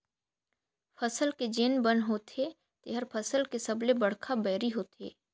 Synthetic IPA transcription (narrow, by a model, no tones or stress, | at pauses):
pʰəsəlked͡ʒeːnbənɦoːt̪ʰe | t̪eɦəɾpʰəsəlkesɐblebɐɽkʰabɛːɾiɦoːt̪ḛː